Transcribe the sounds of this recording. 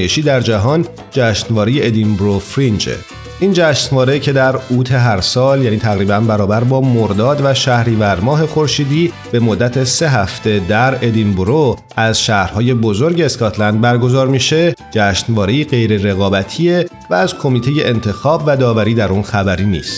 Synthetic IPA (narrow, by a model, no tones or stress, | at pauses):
jeʃiːd̪æɾd͡ʒæɦɒːn | d͡ʒæʃnvɒːɾeje̞ed̪imbɾofɾind͡ʒḛ | ʔiːnd͡ʒæːʃnvɒːɾe̞cʰe̞d̪æɾuːt̪ʰe̞ɦæɾsɒːljæːniːt̪ʰæɣɾiːbænbæɾɒːbæɾbɒːmoɾd̪ɒːd̪væʃæhɾiːvæɾmɒːɦe̞xo̞ɾʃiːd̪iː | b̥e̞mod̪ːæt̪ʰese̞ɦæft̪e̞d̪æɾe̞d̪imboɾoʔæzʃæːhɾhɒːje̞bo̞zo̞ɾɟeːskɒt̪ʰlænd̪̚bæɾɡo̞zɒːɾmiʃe̞d͡ʒæʃnvɒːɾeiːɢe̞jɾe̞ɾe̞ɣɒːbæt̪ʰiːe̞ | væːzkʰo̞miːt̪ʰe̞je̞ʔent̪ʰe̞xɒːbvæd̪ɒːvæɾiːd̪æɾunxæbæɾiːnḭːst̪